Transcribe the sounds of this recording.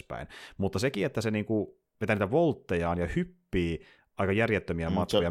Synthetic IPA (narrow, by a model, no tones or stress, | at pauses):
pæ̰inmut̪ːɑsekiet̪ːæseniːŋku | ʋet̪æːniːt̪æʋolt̪ːejɑːnjɑhypːiː | ʔɑikɑjærjet̪ːømiæmɑt̪kojɑ